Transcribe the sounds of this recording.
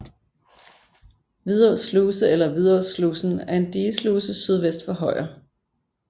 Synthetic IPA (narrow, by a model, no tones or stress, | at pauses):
ʋið̞ˠɒsluːsəelɐʋið̞ˠɒsluːsn̩æɐe̝nd̥iːsluːsəsyð̞ˠʋesd̥fɒɦɒ̽ɪ̰ɐ